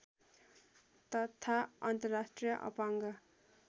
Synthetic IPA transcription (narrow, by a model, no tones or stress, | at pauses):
t̪ʌt̪ʰaʌnt̪ʌɾasʈɾijʌʔʌ̰paŋɡʌ